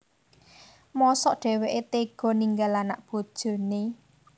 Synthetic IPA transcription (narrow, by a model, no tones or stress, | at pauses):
mɔsɔʔɖ̥ɛ̤weʔet̪eɡ̥ɔ̤niŋɡalanaʔb̥od̥ʒ̥o̤ne